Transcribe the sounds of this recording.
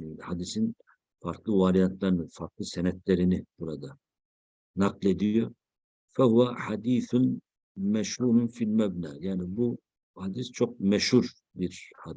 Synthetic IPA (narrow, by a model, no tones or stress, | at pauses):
had̪isin | faɾklˠɯvaɾijant̪ʰlˠaɾnɯfaɾklˠɯsɛnɛt̪̚ʰlɛɾinib̥uɾad̪a | naqlˠe̞d̪ijo | fɛhuvaħad̪iːθun | mɛʃhuːɾunfilʲmæbnaːjaːnibu | had̪ist͡ʃʰoq̚mɛʃhuɾ | biɾhad̪